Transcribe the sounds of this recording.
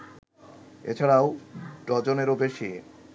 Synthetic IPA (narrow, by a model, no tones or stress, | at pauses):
ḛt͡ɕʰaɾaoɖɔd͡ʑoneɾobeʃi